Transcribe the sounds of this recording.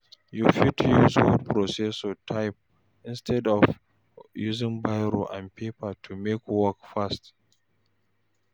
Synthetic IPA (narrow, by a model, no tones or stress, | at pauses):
jufid̚tʰujuzhṵd̚pʰɹɔsɛsɔtʰaɪp̚ | ɪ̃nstʰɛdɔv | juzɪ̃ŋbaɪɾoʔãndpʰepatʰumekwɔkfast